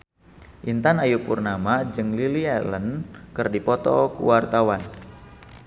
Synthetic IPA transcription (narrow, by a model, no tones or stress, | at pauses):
ʔint̪anajupurnamad͡ʒɨŋlilialənkɨrdipɔt̪ɔ̰kṵwart̪awan